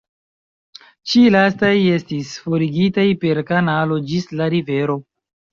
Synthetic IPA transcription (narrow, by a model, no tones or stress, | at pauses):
t͡ʃilastaje̞stisfo̞ɾiɡitajpe̞ɾkanalo̞d͡ʒislaɾive̞ɾo̞